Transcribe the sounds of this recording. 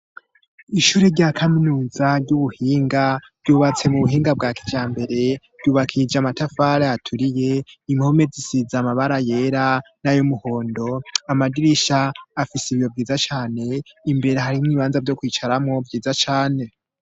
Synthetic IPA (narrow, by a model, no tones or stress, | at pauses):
iʃuːɾeɾɟaːkʰaminuːzaɾɟuβuhiːŋɡḁ | ɟuːβat͡se̞muβuɦiːŋɡab̚ɡaːkid͡ʒaːmbe̞ɾe̞ɾɟuːβakʰid͡ʒamatafaɾeatʰuɾije̞iŋho̞me̞zisizamaβaɾaje̞ːɾanajomuho̞ːndo̞amadiɾiʃaːfisiβijo̞bɡiːzat͡ʃaːne̞imbe̞ɾeɦaɾimŋiːβaːnzabɟo̞kwiːt͡ʃaɾamŋo̞bɟiːzat͡ʃaːne̞